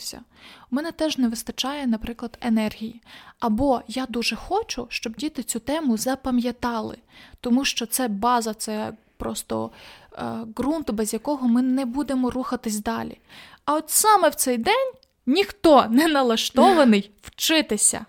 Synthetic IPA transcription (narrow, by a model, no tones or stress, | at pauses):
sʲɐ̰mɛnɛt̪ɛʒnɛʋɪst̪ɐt͡ʃɑjɛnɐpɾɪklˠɐd̪enɛrɦʲijiɐbɔjad̪uʒɛxɔt͡ʃʊʃt͡ʃɔbdʲit̪ɪt͡sʲut̪ɛmʊzɐpɐmjɐt̪ɑlˠɪ̰t̪ɔmuʃt͡ʃɔt̪sɛbɑzɐt̪sɛ | pɾɔst̪ɔ̰ | ɡɾunt̪ʊbɛzʲjɐkɔɦɔmɪnɛbud̪emɔruxɐt̪ɪsʲd̪ɑlʲḭ | ɐɔt̪sɑmɛwt̪sɛjd̪ɛnʲ | nʲixt̪ɔnɛnɐlˠɐʃt̪ɔʋɐnɪjwt͡ʃɪt̪ɪsʲɐ̰